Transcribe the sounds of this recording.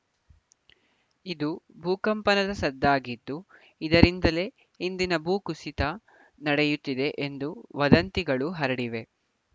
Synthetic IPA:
id̪ubʱuːkɐmpɐnɐd̪ɐsɐd̪ːaːɡit̪ːu | id̪ɐɾind̪ɐle̞ː | ɦind̪inɐbʱuːkusit̪ɐ | nɐɽejut̪ːid̪e̞ʔend̪uʋɐd̪ɐnt̪iɡɐɭuɦɐɾɐɽiʋe̞

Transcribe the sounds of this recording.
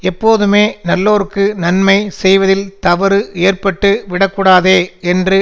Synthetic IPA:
ɛpːoːðɯmeːnɐlːoːɾɯkːɯnɐnmɐɪsɛjʋɐðɪlt̪ɐʋɐɾɯʔeːrpɐʈːɯʋɪɽɐkːuːɽaːðeːɛndrɯ

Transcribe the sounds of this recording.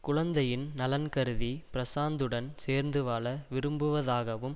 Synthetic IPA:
kʊɻɐnd̪ɐjɪnnɐlɐnkɐɾɯðipɪɾɐsaːnd̪ɯɽɐnseːɾnd̪ɯʋaːlɐʋɪɾɯmbɯʋɐðaːɣɐʋɯm

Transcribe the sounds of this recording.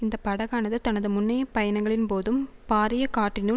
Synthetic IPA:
ɪnd̪ɐpːɐɽɐɣaːnɐðɯt̪ɐnɐðɯmʊnːɐjɐpɐjɐnɐŋɡɐɭɪnpoːðɯmpaːɾɪjɐkaːʈːɪnu

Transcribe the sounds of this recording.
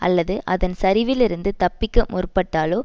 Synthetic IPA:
ɐ̰lːɐðɯʔɐðɐnsɐɾɪʋɪlɪɾɯnd̪ɯt̪ɐpːɪkːɐmʔʊrʊpːɐʈːaːloː

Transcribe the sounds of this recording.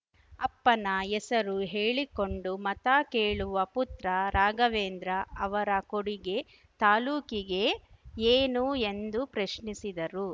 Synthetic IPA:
ɐpːɐnɐɛsɐɾuɦeːɭiko̞ɳɖumɐt̪aːkeːɭuʋɐput̪ɾɐɾaːɡɐʋeːnd̪ɾɐɐʋɐɾɐkoɽiɡe̞ | t̪aːluːkiɡe̞eːnue̞nd̪upɾɐʃnisid̪ɐɾu

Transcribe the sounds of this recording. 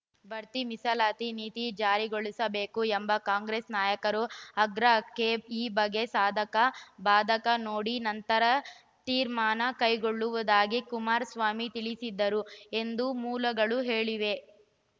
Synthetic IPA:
bʱɐɾt̪imisɐlaːt̪iniːt̪id͡ʒaːɾiɡoɭisɐbe̞ːkuembɐkaːŋɡɾeːsnaːjɐkɐɾuɐɡɾɐkeːbiːbɐɡːe̞saːd̪ʱɐkɐbaːd̪ʱɐkɐnoːɽinɐnt̪ɐɾɐ | t̪iːɾmaːnɐkɐjɡoɭːuʋɐd̪aːɡikumaːɾsʋaːmit̪iɭisid̪ːɐɾue̞nd̪umuːlɐɡɐɭuɦe̞ːɭiʋe̞

